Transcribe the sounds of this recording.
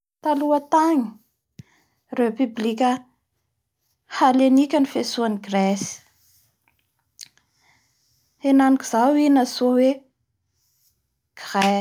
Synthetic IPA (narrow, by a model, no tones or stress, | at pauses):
t̪aluət̪aŋi̥ | repyblikʲə | halenikʲənifesuaniɡresi̥ | enaniki̥z̥awinasuəwe | ɡ̥re